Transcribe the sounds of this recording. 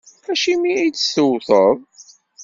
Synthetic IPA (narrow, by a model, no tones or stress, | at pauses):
æʃimiijt͡sːsəwθəðˤ